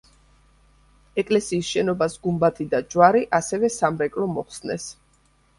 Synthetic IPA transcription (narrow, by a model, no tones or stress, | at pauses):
ɛkʼlɛsiːsʃɛnɔbasɡumbat̪ʰid̪ad͡ʒwaɾiʔasɛvɛsamɾɛkʼlɔmɔχsnɛ̰s